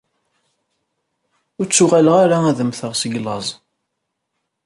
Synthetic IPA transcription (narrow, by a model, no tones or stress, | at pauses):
ʊɾt͡sːʊʁaləʁaɾaæðəmθəʁsəɡlɑzˤ